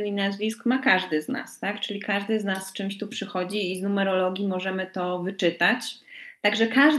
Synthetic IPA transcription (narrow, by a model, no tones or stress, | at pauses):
inazvʲiskmakaʐd̪ɘzna̰st̪akt͡ʂɘlʲikaʐd̪ɘznasːt͡ʂɘmɕt̪upʂɘxɔd͡ʑiːznumɛɾɔlɔɡʲimɔʐɛmɘt̪ɔvɘt͡ʂɘt̪at͡ɕt̪aɡʐɛkaʐ